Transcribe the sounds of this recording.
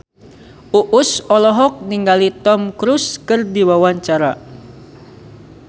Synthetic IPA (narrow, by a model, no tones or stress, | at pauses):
ʔuʔusɔlɔɦɔk̚niŋɡalit̪ɔmkɾuskɨrdiwawaɲt͡ʃaɾa